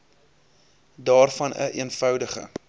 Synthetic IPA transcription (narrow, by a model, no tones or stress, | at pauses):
dɑːrfɐnə̰ʔiənfœwdəχə̰